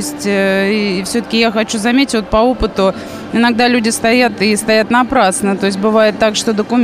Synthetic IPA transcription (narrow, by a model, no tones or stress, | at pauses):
sʲtʲifsʲɵt̪ə̥kʲɪjaxɐt͡ɕuzɐmʲetʲɪtʲvot̪pɐo̞pət̪ʊ | ɪnɐɡ̚d̪alʲʉdʲɪst̪ɐjat̪ɪst̪ɐjat̪nɐpɾasnət̪o̞ɪs̬ʲt̚ʲbɨvajɪt̪ːakʂt̪o̞d̪əkʊmʲ